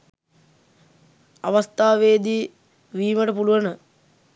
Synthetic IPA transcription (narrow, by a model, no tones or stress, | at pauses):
aʋast̪aːʋeːd̪iː | ʋiːməʈəpuluʋənə